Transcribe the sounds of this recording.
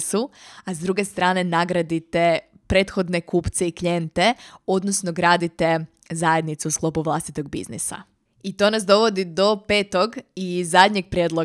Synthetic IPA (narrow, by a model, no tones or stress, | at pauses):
suazd̪ɾuɡe̞st̪ɾaːne̞naɡɾad̪it̪e | pɾe̞ːt̪xo̞d̪ne̞kuːpt̪seiklʲjent̪e̞o̞d̪nosno̞ɡɾaːd̪it̪e̞ | zaje̞d̪nit̪seusklˠo̞ːpuʋlˠast̪it̪o̞ɡ̚bḭznḭsa̰ | it̪o̞nas̬d̪o̞ʋo̞d̪id̪o̞peːt̪o̞ɡizad̪ɲeɡ̚pɾʲjed̪lˠo